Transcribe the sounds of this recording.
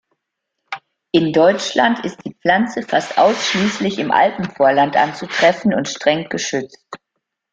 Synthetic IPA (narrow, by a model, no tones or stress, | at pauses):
ʔɪndɔʏt͡ʃlantʰɪst̚d̥iːp͡fl̥ant͡səfastʔa̰ʊsʃliːslɪçɪmʔa̰ltn̩foːɐlantʔa̰nt͡sutʁ̥ɛfn̩ʊntʃtʁ̥ɛŋɡ̥əʃʏt͡st̚